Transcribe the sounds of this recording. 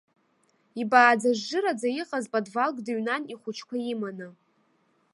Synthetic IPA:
ibaːd͡zaʐːɨɾad͡zajiqʼazpʼadvalɡʼdaɥnaniχʷʊt͡ʃʰkʷʰaimanɨ

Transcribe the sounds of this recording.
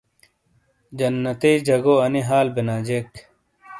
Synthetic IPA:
d͡ʑɐnːɐt̪eːd͡ʑʱɐɡoːɐniɦaːlbinaːd͡ʑek

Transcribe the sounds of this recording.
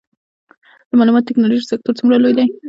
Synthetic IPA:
d̪̥əmɑlumɑt̪ot̪ɪknɑloʒisak̚t̪oɾt͡sumɾalojd̪aj

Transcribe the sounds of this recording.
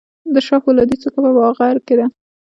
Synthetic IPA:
d̪əʃɑxolɑd̪it͡sokapəwɑɣaɾked̪a

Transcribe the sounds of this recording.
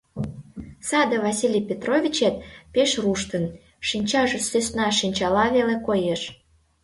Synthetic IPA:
sɑd̪əvɑsʲilʲijpʲet̪rovʲit͡ɕet̪̚peʃruʃt̪ən | ʃinʲt͡ɕɑʒĕsøsnɑʃinʲt͡ɕɑlɑβelekojeʃ

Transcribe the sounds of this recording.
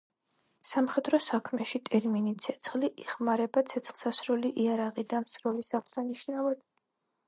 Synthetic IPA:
samχɛd̪ɾɔsakʰmɛʃit̪ʼɛɾminit̪sʰɛt̪sʰχliʔiχmaɾɛbat̪sʰɛt̪sχlˠsasɾuliʔiaɾaʁid̪amsɾɔlisaʁsaniʃnavad̪̥

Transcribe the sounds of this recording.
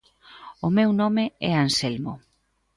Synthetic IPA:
ʊmewnɔmeɛanselmo

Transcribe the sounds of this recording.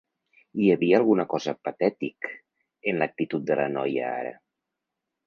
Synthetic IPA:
iəβiəːlˠɣunəkɔzəpat̪ɛt̪ik | enlək̚t̪it̪ut̪̚d̪ələnɔjə̰a̰ɾə̰

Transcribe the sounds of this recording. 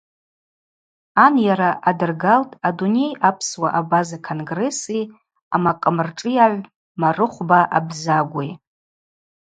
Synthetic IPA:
anjaɾaʔadɨrɡaltʼadune̞japʰswaʔabazakʰonɡre̞si | amaqʼəmɨrʈ͡ʂʼɨjaʕʷ | marɨχʷbaʔa̰bzaɡʷij

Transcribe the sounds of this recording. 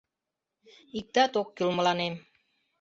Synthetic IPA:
ik̚d̪̥at̪ok̚ɡulməlanem

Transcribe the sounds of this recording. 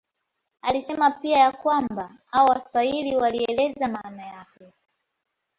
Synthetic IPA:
alisɛmapiajakwamba | awɔwaswailiwaliɛlɛzamaːnajakɛ

